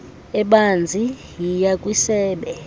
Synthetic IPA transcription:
ɛɓand͡zʱi | jijakʼwisɛːɓɛ

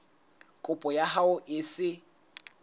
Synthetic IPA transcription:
kʼʊpʼɔjaɦaʊʔɪsɪ

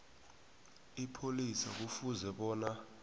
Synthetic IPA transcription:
ipʰolisak̬ufuzɛɓɔːna

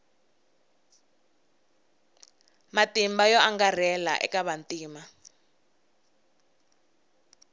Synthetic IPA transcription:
matimbajɔʔaŋɡar̤ɛla̰ʔɛ̰kaβantiːma

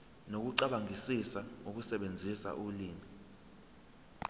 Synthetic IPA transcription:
nok̬uǀaɓaŋʱisisauk̬usɛɓend͡zʱisa̰ʔuliːmi

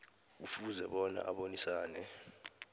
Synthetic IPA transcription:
k̬ufuzɛɓɔna̰ʔaɓonisaːnɛ

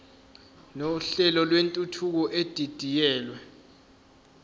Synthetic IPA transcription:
noɬɛlɔlwentʼutʰuk̬ɔʔed̥ʱid̥ʱijɛːlwɛ

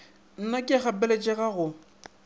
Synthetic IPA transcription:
n̩nakʼɪχapɛlet͡ʃʼɛɣaɣʊ

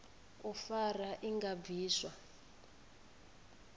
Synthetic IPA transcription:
ufaraʔiŋɡab̪viːswa

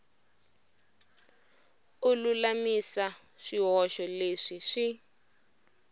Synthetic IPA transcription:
ululamisa | ʂiɦɔʃɔleʂiʂi

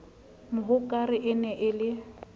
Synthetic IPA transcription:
mʊɦʊkʼaɾɪʔɪnɛʔɪlɪ

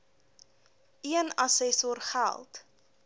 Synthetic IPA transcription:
iənɐsɛsɔrχæ̰lˠt

